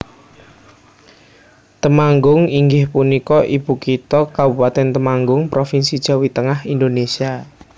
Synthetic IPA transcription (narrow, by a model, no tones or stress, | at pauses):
t̪əmaŋɡʊŋiŋɡɪhpunikɔʔib̥ukit̪ɔkabupat̪ɛnt̪əmaŋɡʊŋpɾofinsid̥ʒ̥a̤wit̪əŋahind̪onesia